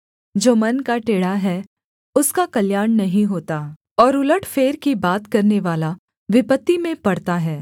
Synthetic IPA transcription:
d͡ʒoːmɐnkaʈeːɽaɦɛ | ʊskakɐljaːɳnɐɦĩɦoːt̪aː | ɔːɾʊləʈʰfeːɾkibaːt̪kɐɾneʋaːla | ʋɪpət̪ːimẽpɐɽt̪aɦɛː

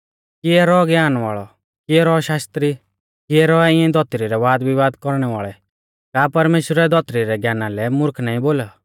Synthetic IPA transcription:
kɪɛɾɔɡjaːnʋa̰ːɭɔ | kɪɛɾɔʃaːst̪ɾi | kɪɛɾɔɛɪ̃ɛ̃d̪ɔt̪ɾiɾɛʋaːd̪ʋɪʋaːd̪kɔɾɽ̃ɛʋa̰ːɭɛ | kaːpɐɾmeːʃɾɛd̪ɔt̪ɾiɾɛɡjaːnalɛmʊɾkʰnaːĩboːla

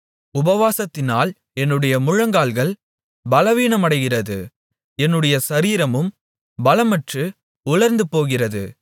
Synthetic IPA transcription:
ʊbɐʋaːsɐt̪ːɪnaːl | ɛnːɯɽɐjɐmʊɻɐŋɡaːlɣɐɭ | bɐlɐʋiːɳɐmɐɽɐɪɣɪrɐðɯ | ɛnːɯɽɐjɐsɐɾiːɾɐmɯm | bɐlɐmɐʈrɯ | ʊɭɐɾnd̪ɯpoːɣɪrɐðɯ̰

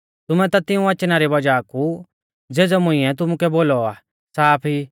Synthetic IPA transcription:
t̪ʊmɛ̃t̪at̪ɪ̃ũɐt͡ʃnaɾibɐd͡ʒaku | d͡zeːd͡zɔmʊ̃ɪ̃ɛt̪̬ʊmukɛboːlɔaː | saːpʰi

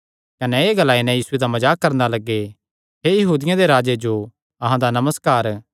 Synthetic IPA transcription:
kɐnɛeːɡɐlaːinɛ̃jiːsʊed̪amɐd͡ʒaːkːɐɾnalɐɡːe | ɦejɐɦuːd̪ɪjãd̪eɾaːd͡ʒed͡ʒo | ɐɦãd̪anɐməskaːɾ

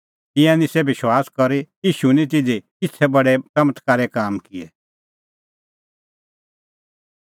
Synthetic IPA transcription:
ɪ̃jãnisebɪʃwaːskɔɾijiːʃunĩt̪̬ɪd͡zikɪt͡sʰɛbɐɽɛt͡sɐmət̪ʰkaːɾɛkaːmkɪɛ

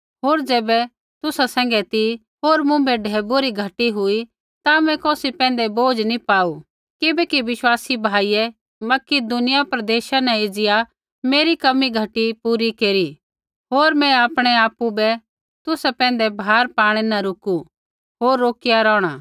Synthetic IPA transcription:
ɦoːɾd͡ʒɛːbɛ | t̪ʊsasɛ̃ːŋɡɛt̪i | ɦoːɾmʊ̃bɛɖʱɛːboɾiɡʱɐʈiɦʊi | t̪amɛ̃kɔːsipɛ̃ːnd̪ɛboːd͡ʒnipaːu | kɪbɛkiʋɪʃwaːsibʱaːijɛ | mɐkɪd̪ʊnɪjapɾɐd̪eːʃanɛ̃ɪd͡ʒɪja | meːɾikɐmiɡʱɐʈipuːɾikeːɾi | ɦoːɾmɛ̃aːpɽ̃ɛaːpubɛ | t̪ʊsɛpɛ̃ːn̆d̪ɛbʱaːɾpaːɽ̃ɛnaɾʊku | ɦoːɾːoːkɪjaɾɔ̃ːɽ̃a

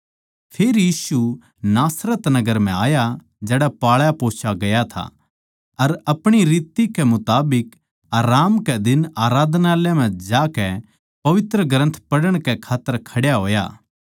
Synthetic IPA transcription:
pʰeːɾjiːsu | naːsɾət̪nɐɡəɾm̤ɛ̃aːja | d͡ʒɛːɽapaːɭjapoːt͡ʃʰaɡɐjat̪ʰa̰ | ɐɾɐpɽ̃iɾiːt̪ikɛmʊt̪aːbɪk | aːɾaːmkɛd̪ɪnaːɾaːd̪naːljamɛ̃d͡ʒaːkɛ | pɐʋɪt̪ɾəɡɾə̃nt̪ʰpɐɽəɽ̃kɛkʰaːt̪ːəɾkʰɐɽjaɦoːja̰ː

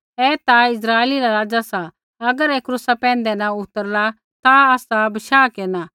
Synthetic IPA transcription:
ɛːt̪aɪs̬ɾaːeliɾaɾaːd͡ʒasa | ɐɡəɾɛːkɾʊsapɛ̃ːn̆d̪ɛnaʊt̪əɾla | t̪aaːsabɐʃaːkeːna

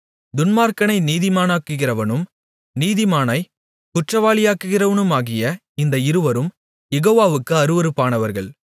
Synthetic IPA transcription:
d̪ʊnmaːɾkɐnɐɪniːðɪmaːnaːkːɯɣɪrɐʋɐnɯm | niːðɪmaːnɐɪ | kʊʈrɐʋaːɭɪjaːkːɯɣɪrɐʋɐnɯmaːɣɪjɐ | ɪnd̪ɐɪɾɯʋɐɾɯm | jɛɣoːʋaːʋɯkːɯɐɾɯʋɐɾɯpːaːnɐʋɐɾɣɐɭ

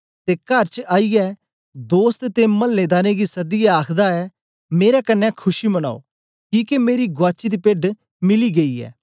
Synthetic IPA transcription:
t̪ekɐɾt͡ʃaːijɛː | d̪oːst̪t̪emɐlːed̪aːneɡisɐd̪ɪjaaːkʰd̪aɛ | meːɾakɐnːɛkʰʊʃiməna̰ːo̰ː | kiːkemeːɾiɡʊaːt͡ʃid̪ipeːɖ | mɪliɡɐiɛ̰ː

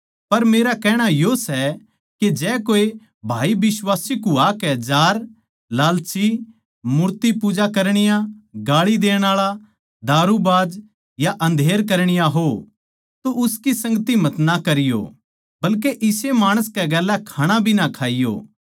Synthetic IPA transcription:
pɐɾmeːɾakɛːɽ̃ajosɛ | ked͡ʒɛːkoːe | bʱaːibɪswaːsikuaːkɛd͡ʒaːɾ | laːlt͡ʃi | mʊɾt̪ipuːd͡ʒakɐɾɽ̃ɪjãɡaːɭid̪eːɽ̃aːɭa | d̪aːɾubaːd͡ʒ | jaʔɐ̃nd̪ʱeːɾk̬ɐɾɽ̃ɪjaɦo | t̪oʊskisɐ̃ŋɡət̪imɐt̪nakɐɾɪjo̰ | bɐlkeʔɪsemaːɽ̃əskɛɡɛːlːɛkʰaːɽ̃ãbʱinakʰaːɪjo̰ː

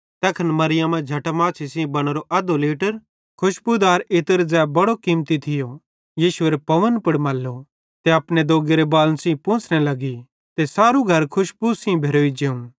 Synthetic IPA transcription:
t̪ɛːkʰənmɐɾɪjãmɛ̃d͡ʒʱɐʈəmaːt͡ʃʰisĩbɐɽ̃ɾoʔɐd̪oleːʈəɾ | kʰʊʃpʊd̪aːɾɪt̪əɾd͡zɛːbɐɽokiːmt̪it̪ʰɪjo | jiːʃʊeːɾepɐʋənpʊɽmɐːlːo | t̪eɐpned̪oːɡeɾebaːlnsĩːpõːt͡sʰnelɐɡi | t̪esaːɾuɡʱɐɾkʰʊʃpusĩbʱeːɾoːid͡ʒeːũ

